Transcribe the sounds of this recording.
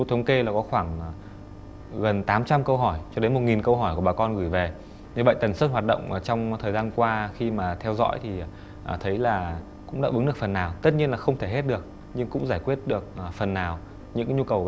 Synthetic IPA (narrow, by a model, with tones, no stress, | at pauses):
u˧t̪ʰə˨˦wŋ͡mke˧laː˨˩kɔ˨˦xwaː˧˩ŋ˨˩ | ɣə˨˩nt̪aː˨˦mt͡ɕa˧mkə˧wɦɔ˧˩jt͡ɕɔ˧ɗe˨˦nmo˨˩t̚ŋi˨˩nkə˧wɦɔː˧˩jku˧˩ɓaː˨˩kɔ˧nɣɨ˧˩jve˨˩ | ɲɨ˧və̰˧˨jt̪ə˨˩nsɨ˦˥ɦwa˨˩t̚ɗə̰˧˨wŋ͡mt͡ɕɔ˧wŋ͡mt̪ʰəː˨˩jzaː˧nkwaː˧xi˧maː˨˩t̪ʰɛ˧wzɔ̰˧˥jt̪ʰi˨˩ | ʔt̪ʰə˨˦jlaː˨˩ | kʊ̰˧˥ŋ͡mɗa̰ː˧˥ʔɨ˨˦ŋɗɨ˨˩ək̚fə˨˩nːaː˨˩wt̪ə˦˥t̚ɲi˧ənlaː˨˩xə˧wŋ͡mt̪ʰe˧˩ɦe˦˥t̚ɗɨ˨˩ək̚ | ɲɨ˧ŋkʊ̰˧˥ŋ͡mzaː˧˩jkwi˦˥ət̚ɗɨ˨˩ək̚ʔfə˨˩nːaː˨˩w | ɲɨ̰˧˥ŋɲu˧kə˨˩w